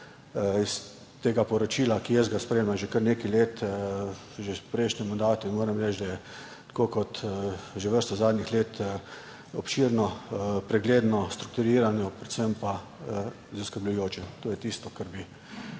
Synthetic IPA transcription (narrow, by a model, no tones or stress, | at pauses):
is | t̪eːɡapɔɾɔt͡ʃiːlakijəzɡaspɾeːmlamʒɛkəɾneːkɛleːt̪ | ʒepɾɛɪʃnɛmːand̪aːt̪uinmoːɾɛmɾɛːt͡ʃd̪ajɛ | t̪koːkɔt̪ʒɛʋəɾst̪ɔzaːd̪nixleːt̪ː | ɔpʃiːɾnɔpɾɛɡleːd̪nɔst̪ɾuk̚t̪uɾiːɾanjɔpɾɛt̪səmpa | zaskəɾblʊjoːt͡ʃɛt̪oːjɛt̪iːst̪ɔkaɾbi